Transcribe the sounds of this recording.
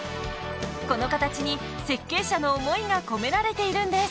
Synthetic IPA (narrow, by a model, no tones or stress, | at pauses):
ko̞no̞kat̪at͡ɕiɲ̟i | se̞kːe̞ːɕano̞ːmo̞iɡako̞me̞ɾaɾe̞t̪e̞iɾɯ̟̃nd̪e̞s